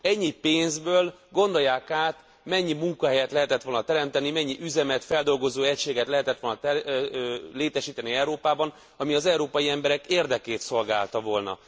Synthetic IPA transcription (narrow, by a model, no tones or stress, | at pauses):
ɛɲːipeːnzbøːlɡo̞nd̪o̞jːaːkaːt̪ | mɛɲːimuŋkɒɦɛjɛt̪lɛɦɛt̪ɛt̪ʋo̞lnɒt̪ɛɾɛmt̪ɛnimɛɲːiʔyzɛmɛt̪fɛld̪o̞lɡo̞zoːɛcʃeːɡɛt̪lɛɦɛt̪ɛt̪ʋo̞lnt̪ɛ | leːt̪ɛʃiːt̪ɛniɛwɾoːpaːbɒn | ɒmiɒzɛuɾoːpɒjiɛmbɛɾɛkeːrd̪ɛkeːt̪so̞lɡa̰ːlt̪ɒvo̞lnɒ̰